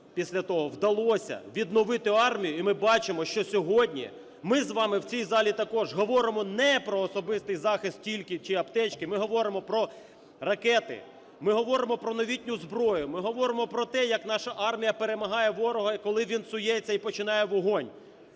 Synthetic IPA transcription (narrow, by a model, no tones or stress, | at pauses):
pʲisʲlʲɐt̪ɔɦɔwd̪ɐlˠɔsʲɐ̰ʋʲid̪nɔʋɪt̪ɪɑrmʲijʊimɪbɑt͡ʃɪmɔʃt͡ʃɔsʲɔɦɔdʲnʲḭ | mɪzʋɑmɪwt͡sʲijzɑlʲit̪ɐkɔʒɦɔʋɔɾɪmɔnɛpɾɔːsɔbɪst̪ɪjzɑxɪst̪̚tʲilʲkɪt͡ʃɪɐpt̪ɛt͡ʃkɪmɪɦɔʋɔɾɪmɔpɾɔ | rɐkɛt̪ɪ̰ | mɪɦɔʋɔɾɪmɔpɾɔnɔʋʲitʲnʲʊzbɾɔjʊmɪɦɔʋɔɾɪmɔpɾɔt̪ɛjɐknɑʃɐʔɑrmʲijɐpeɾemɐɦɑjɛʋɔɾɔɦɐkɔlˠɪʋʲinsʊjɛt͡sʲːɐipɔt͡ʃɪnɑjɛʋɔɦɔnʲ